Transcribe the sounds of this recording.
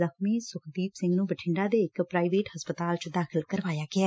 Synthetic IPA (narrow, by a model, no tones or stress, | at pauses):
əkmiːsʊkd̪iːpsɪ̃ŋɡnũːbəʈʰɪɳɖaːd̪eːɪkpɾaːiʋeːʈhəspət̪aːlt͡ʃd̪aːkʰɪlkəɾʋaːjaːɡɪaː